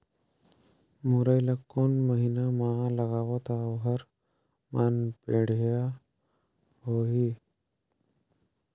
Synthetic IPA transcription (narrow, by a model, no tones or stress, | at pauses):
muɾajlakonməɦinamalaɡaʋət̪aʋɦəɾ | manpeɽ̤a | hoɦi